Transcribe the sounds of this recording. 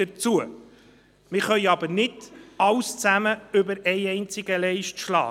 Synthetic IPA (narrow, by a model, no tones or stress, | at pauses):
ət͡suə | mɪχœʏɑbəɾnɪdɑlwst͡sæməʏbəɾɛɪɛɪnt͡sɪɡəlɛɪʃtʃlɑ̰ː